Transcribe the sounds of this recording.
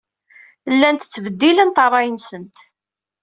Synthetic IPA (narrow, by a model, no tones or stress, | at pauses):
lːænt̪ət͡sːəvəd̪ːilənt̪ərˤɑjənsənt̪